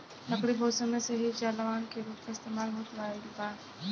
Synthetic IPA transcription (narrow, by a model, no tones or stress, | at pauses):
lɐkɽibʱoːsõmẽseɦid͡ʒaːlaʋaːnkeɾuːpmeɪst̪eːmaːlɦot̪ʋaːedibaː